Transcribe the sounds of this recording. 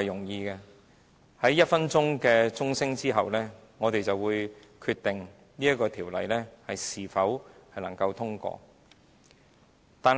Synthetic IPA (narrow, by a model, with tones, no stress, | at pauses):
ɐ˨jʊ˨˩ŋjiː˧kɛ˧ | hɐ˨˥jːɐ˥t̚fɐ˥nt͡sʊ˥ŋkɛː˧t͡sʊ˥ŋsɪ˥ŋt͡siː˥ɦɐ˨wlɛː˥ | ŋɔː˨˧t̪e˨jt͡sɐ˨wuː˨˧jkʰy˧t̪ɪ˨ŋ | niː˥jɐ˥kːɔː˧t̪ʰiː˨˩wlɐ̰˨˩jlɛː˥hɐ˨jsiː˨˩fɐ˨˥whɐ˨jlɐ˨˩ŋkɐ˧wt̪ʰʊ˥ŋkɔ̰ː˧ | t̪aː˨n